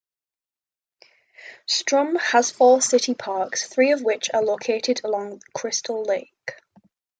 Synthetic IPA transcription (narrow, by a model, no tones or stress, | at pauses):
stɹ̥ʌ̃məz̥fɔːsɪtɪpʰɑˑksθɹiːəvwɪt͡ʃəloʊkʰeɪtʰɪdəlɒ̃ŋðəkʰɹ̥ɪstʰəlˠleɪk